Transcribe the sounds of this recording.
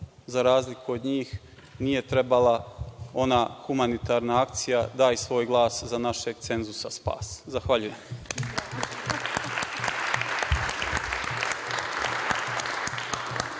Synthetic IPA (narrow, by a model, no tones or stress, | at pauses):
zaɾaːzlikʰuod̪ɲiːx | nije̞t̪ɾe̞balao̞naxumanit̪aɾnaak̚t̪sijad̪aːjsʋo̞ːjɡlˠaːszanaʃeɡt̪se̞nzusaspa̰ːszaxʋaʎuje̞m